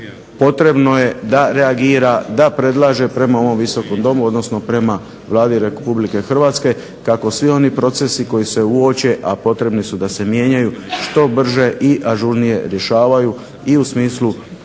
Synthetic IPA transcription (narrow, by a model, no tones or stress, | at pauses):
po̞t̪ɾe̞bno̞je̞d̪aɾe̞aɡiːɾad̪apɾe̞d̪lˠaːʒe̞pɾe̞mao̞ʋo̞mʋiso̞ko̞md̪o̞muo̞d̪no̞sno̞pɾe̞ma | ʋlˠaːd̪iɾe̞publike̞xr̩ʋaːt̪ske̞ | kako̞sʋio̞nipɾo̞t̪se̞siko̞jise̞uo̞t͡ɕe̞ʔapo̞t̪ɾe̞bnisud̪ase̞mje̞ɲajuʃt̪o̞br̩ʒe̞ʔiʔaʒuɾnije̞̰ɾje̞ʃaːʋaju | iusmiːslˠu